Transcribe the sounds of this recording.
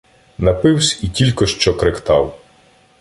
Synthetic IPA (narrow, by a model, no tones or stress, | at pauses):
nɐpɪwsʲitʲilʲkɔʃt͡ʃɔkɾekt̪ɑw